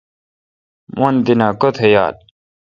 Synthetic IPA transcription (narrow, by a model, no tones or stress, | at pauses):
mʔond̪inaːkot̪ʰeja̰ːl